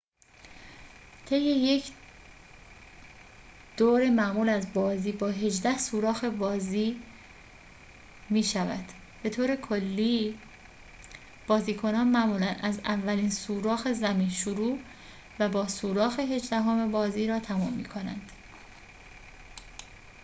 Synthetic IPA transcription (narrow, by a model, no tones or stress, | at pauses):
t̪ʰe̞jːe̞je̞cʰ | d̪̥oːɾemæmuːlæzbɒːziːbɒːɦe̞d͡ʒd̪æhsuːɾɒːxe̞bɒːziː | miːʃævæ̰d̪̥ | b̥e̞t̪ʰoːɾe̞kʰolːiː | b̥ɒːziːkʰo̞nɒːnmæʔmuːlænʔæzævːæliːnsuːɾɒːxe̞zæmiːnʃoɾuː | væbɒːsuːɾɒːxe̞ɦe̞d͡ʒd̪æɦoːmebɒːziːɾɒːt̪ʰæmumːḭːkʰo̞næ̰nd̪̥